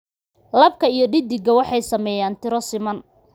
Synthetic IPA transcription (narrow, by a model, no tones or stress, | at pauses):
lɐb̚kʰɐijɞɖɪd̪ɪɡɐwɑħɑjsɐmɛːjaːnt̪ʰɪɾɔsɪmɐn